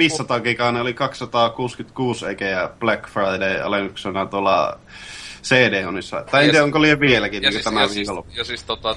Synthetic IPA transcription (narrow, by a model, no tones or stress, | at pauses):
ʋiːssɑt̪ɑːkiːkɑːneolikɑkssɑt̪ɑːkuːskyt̪kuːseˑikeæb̥lækfrɑˑideiɑ̰leŋyksenɑt̪uolɑ̰ | seːdeːonisːɑ̰t̪ɑˑient̪iæoŋkolieʋielækinniːŋkøtæmæʋiːkolosist̪ot̪ɑ